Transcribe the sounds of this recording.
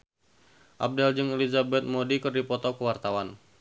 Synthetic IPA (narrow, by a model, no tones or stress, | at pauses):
ʔa̰b̚dald͡ʒɨŋɛlizabɛt̪̚modikɨrdipɔt̪ɔkəwart̪awan